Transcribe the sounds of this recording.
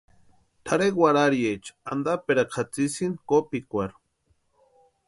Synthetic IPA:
t̪ʰaɾekwaɾaɾjet͡ʃand̪apeɾakʰat͡sisinkopikʷaɾu̥

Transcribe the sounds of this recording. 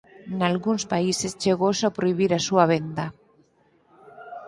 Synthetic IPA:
nalɣunspaisest͡ʃeɣ̞osapɾoiβ̞iɾasuaβ̞end̪a

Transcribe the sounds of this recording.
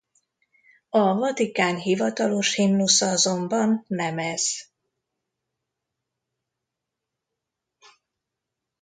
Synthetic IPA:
ɒvɒt̪ikaːnɦivɒt̪ɒlo̞ʃhimnusɒɒzo̞mbɒnːɛmɛz̥

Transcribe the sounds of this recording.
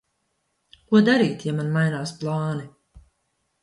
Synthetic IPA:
kuɔd̪aɾiːt̪jamanmajnaːsplˠɑːni

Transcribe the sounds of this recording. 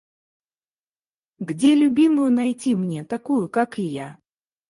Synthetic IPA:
ɡd͡zʲɛlʲʊbʲimʊjʊnajt͡sʲimnʲɛt̪akujukakija

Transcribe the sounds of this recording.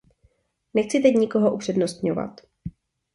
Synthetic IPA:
nɛxt͡sɪt̪ɛcɲɪko̞ɦoʔupr̝̥ɛdnost̪ɲo̰va̰t̪

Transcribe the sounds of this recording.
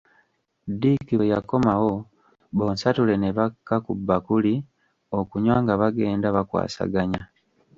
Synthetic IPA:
dikiβejako̞mawo̞ | βo̞ːnsatule̞ne̞βakːakubːakuli | o̞kuɲwaːŋɡaβaɡe̞ːndaβakwa̰ːsa̰ɡaɲa

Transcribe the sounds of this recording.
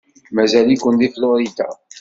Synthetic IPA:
mæzælikʷənd̪iflʊɾid̪a̰

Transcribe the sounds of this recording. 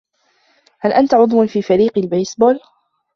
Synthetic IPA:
halʔant̪aʕʊðˤwʊnfiːfaɾiːqɪlbajsboːl

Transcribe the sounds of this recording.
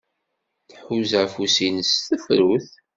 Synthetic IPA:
θħuzafusinəsθəfɾuθ

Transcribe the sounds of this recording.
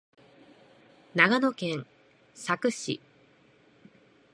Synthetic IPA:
naɡano̞kẽ̞ɴ | sakɯ̟ɕḭ

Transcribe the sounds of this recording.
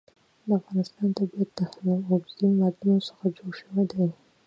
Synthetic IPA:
d̪əafɣɑnɪst̪ɑnt̪abjad̪ːaxnɑloɡimaɾnosə̥xad͡ʒoɽʃəwed̪a

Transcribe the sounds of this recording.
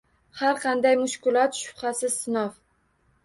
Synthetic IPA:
haɾqʰɑnd̪ajmʊʃkʲɪlˠɒt̪ʃʊ̥χɑsɪzsɪnɒf

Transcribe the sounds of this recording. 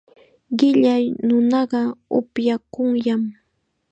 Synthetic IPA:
ɢɪʎajnʊnɑɢɑʊ̰pjakʊŋjam

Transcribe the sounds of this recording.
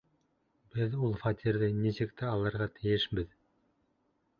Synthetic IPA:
bɘðulˠfɑt̪ʲiɾðɘnisɘ̆kt̪ɘɑlˠɤ̆ɾʁɑt̪ʰɘ̆jɘʃbɘð

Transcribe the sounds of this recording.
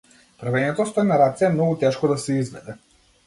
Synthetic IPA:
pɾavɛɲɛt̪ɔst̪ɔɛnaɾat̪siɛmnɔɡut̪ɛʃkɔd̪asɛizvɛd̪ɛ

